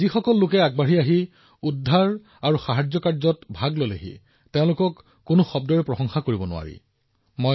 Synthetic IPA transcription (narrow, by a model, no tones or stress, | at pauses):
zixɔkɔlːʊkɛaɡ̚baɹiaɦi | udʱːaɹ | aɹuxaɦad͡ʑzɔkaɹzɔtbʱaɡlojla̰ɦḭ | teʊ̃lʊkɔkː | ʊnoxɔb̚dɔɹɛpɹɔxɔŋxakoɹibɔnʊ̰a̰ɹḭ | mo